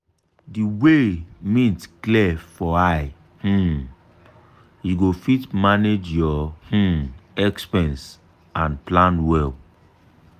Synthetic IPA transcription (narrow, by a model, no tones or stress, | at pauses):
diwemĩtklɛfɔaɪ | h̩ | jiɡofitmaned͡ʒjɔh̩ɛkspɛ̃ns | ãnplãnwɛl